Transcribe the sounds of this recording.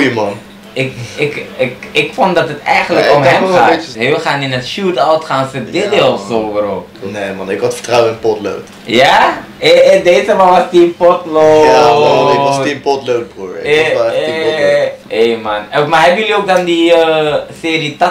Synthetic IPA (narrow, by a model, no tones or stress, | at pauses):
jəmɑn | ɪkɪkkɪkfondɔtətɛjɣəndləkomɦɛmxaːtheəxaːnɪnətʃutawtxaːnsədɪdelˠsoːəɾopneːmɑnɪkɔtfə̥ɹtrawənɪnpɔtlo̰wt | ja | edeːzəmaʋɔstiəpɔtloːɪɔsipɔtlowt̚bruəɹɪ̰ | eːmanokmaɛbəjølioːk̚dɔndiəseːrit